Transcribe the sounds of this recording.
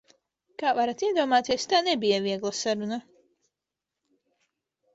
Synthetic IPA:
kaːvaɾat̪iɛd̪uɔmaːt̪iɛst̪aːnɛbijaviɛɡlˠasaɾuna

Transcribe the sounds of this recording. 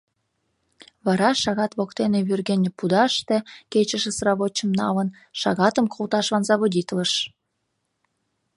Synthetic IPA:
βɑɾɑʃɑɣɑt̪βokt̪eneβyrɣenʲpud̪ɑʃt̪eket͡ɕəʃesrɑβot͡ɕːəmnɑ̰lən | ʃɑɣɑt̪əmkʰolt̪ɑʃβɑnzɑβodʲit̪ləʃ

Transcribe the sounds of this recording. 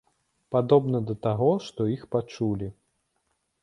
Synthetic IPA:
pad̪ɔbnɐd̪ɐt̪aɣɔʂt̪ɔixpat͡ʂulʲi

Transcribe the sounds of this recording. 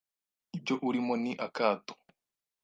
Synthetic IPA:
ib̚ɟoʔuɾimoniʔakaːto̥

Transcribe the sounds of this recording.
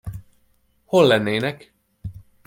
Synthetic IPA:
ho̞lːɛnːeːnɛk

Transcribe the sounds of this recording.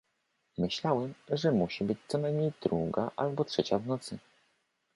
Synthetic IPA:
mɘɕlawɛmʐɛmuɕibɘt͡ɕt̪sɔnajmɲejd̪̥ɾuɡa̰ʔalbɔtʂɛt͡ɕavnɔt̪sɘ

